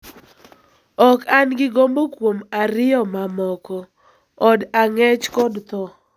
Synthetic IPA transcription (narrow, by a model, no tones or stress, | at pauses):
ɔkanɡɪɡombokwomaɾɪɔmamɔkɔː | daŋɛt͡ʃkɔdt̪ɔ